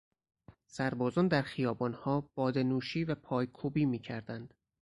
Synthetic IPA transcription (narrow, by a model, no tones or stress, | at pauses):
sæɾbɒːzɒːnd̪æɾxijɒːbɒːnhɒːb̥ɒːd̪enuːʃiːvæpʰɒːjkʰuːbiːmiːcʰæɾd̪ænd̪̥